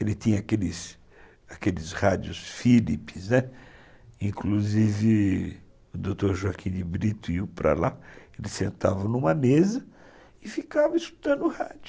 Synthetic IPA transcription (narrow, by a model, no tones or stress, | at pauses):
elɪt̪ĩɲɐakelɪs | akelɪshad͡ʒjʊsfilipɪznɛ | ĩkluzivɪ | ʊd̪owt̪oɾʒuakʰĩd͡ʒɪbɾit̪ʊiwpɾɐ̰laelɪsḛ̃nt̪a̰vɐnũmɐmezɐ | ɪfikavɐisku̥t̪ɐ̃nd̪ʊha̰d͡ʒʊ